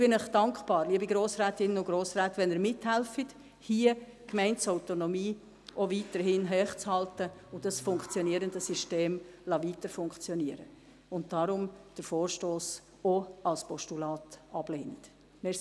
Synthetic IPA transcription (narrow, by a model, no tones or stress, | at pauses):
b̥ɪnəχd̥ɑŋkpɑːɾliəbiɡɾoːsræːtɪnəʊɡɾoːsræːtʋɛnəɾmɪthɛlfit | hiːə | kmɛɪnsɔʊtonɔmiː | ʔoʋiːtəɾɦɪnɦɛːχt͡shɑltəʊndɑsfʊŋkχt͡sjɔniəɾəndəsyʃteːmlɑʋitəɾfʊŋkt͡sjɔniəɾə | ʊnt̚d̥ɑɾʊmd̥əɾfoːrʃtoːs | oɑlspɔʃtulɑːtɑb̥leːnt | mɛ